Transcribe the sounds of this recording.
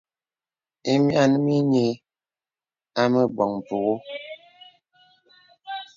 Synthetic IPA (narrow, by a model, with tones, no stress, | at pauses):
e˦mja˦˨n˦mi˦ɲe˨ | a˦mə˦bwɔ˨ŋm˨po˨ɣo˦